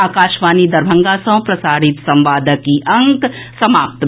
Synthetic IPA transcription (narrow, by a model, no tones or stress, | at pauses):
aːkaːʃʋaːnid̪ɐɾbʱɐ̃ŋɡaːsɐ̃w̃pɾɐsaːɾit̪sɐ̃mʋaːd̪ʱəkiʔɐŋksɐmaːp̚t̪